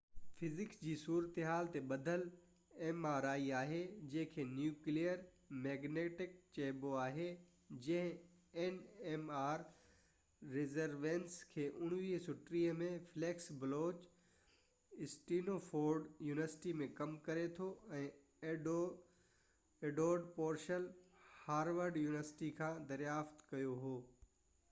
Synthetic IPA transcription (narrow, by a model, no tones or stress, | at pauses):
fɪzɪkd͡ʑiːsuːɾət̪eɦaːlt̪eɓɐd̪ʱəl | eːmaːɾaːiaːɦed͡ʑɐ̃ɦɪ̃kʰeːnjuːklijəɾ | mɛːɡneːʈɪk̚t͡ɕeːboaːɦe | d͡ʑɐ̃ɦɪ̃eːneːmaːɾː | ɪzəɾʋẽːnskʰeːʔʊɽ̃ʋiːɦsʊʈɾiːɦəmẽfleːksbɪloːt͡ɕ | ɪsʈiːnofʰoːɾɖjuːnɪʋəɾsɪ̥ʈimẽkɐmkɐɾet̪ʰoɛ̃ː | eːɖoːɾɖpoːɾʃəlhaːɾʋəɾɖjuːnɪʋəɾsɪ̥ʈikʰãːd̪ɐɾjaːft̪kɐjoɦoː